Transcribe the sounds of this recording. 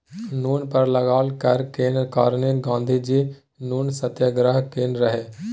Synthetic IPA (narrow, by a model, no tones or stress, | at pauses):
nuːnpəɾləɡaːlkəɾkeːnkaːɾniːlɡãːnd̪ʱid͡ʒi | nuːnsət̪jəɡɾəɦkeːnɾəɦeː